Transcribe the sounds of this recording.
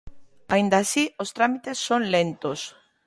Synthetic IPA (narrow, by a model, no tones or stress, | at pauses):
aind̪asiost̪ɾamit̪esːonlent̪os